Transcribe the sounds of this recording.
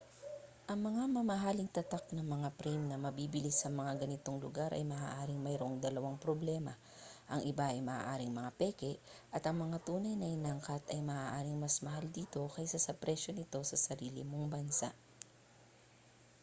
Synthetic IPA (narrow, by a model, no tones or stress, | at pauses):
ʔɐŋmɐŋamɐmɐɦaːlɪŋt̪ɐt̪ak̚nɐŋmɐŋapɾimnɐmɐbibɪlisɐmɐŋaɡɐnɪt̪o̞ŋlʊ̰ɡaɾʔɐ̰jmɐʔa̰ːʔaːɾɪŋmɐjɾo̞ŋd̪ɐlɐwaŋpɾoblɛːmɐ | ʔɐŋʔɪbaʔɐjmɐʔa̰ːʔaːɾɪŋmɐŋapɛːkɛʔʔɐt̪ɐŋmɐŋat̪uːnɐjnɐhɪnaŋkɐt̪ɐjmɐʔaːʔaːɾɪŋmɐsmɐɦald̪iːt̪o̞kɐjsɐsɐpɾɛʃo̞nɪt̪o̞sɐsɐɾiːlɪ̰mo̞ŋbɐnsa̰ʔ